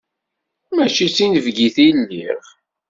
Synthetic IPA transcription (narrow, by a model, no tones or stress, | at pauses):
mæt͡ʃit͡sːinəvɡiθilːiʁ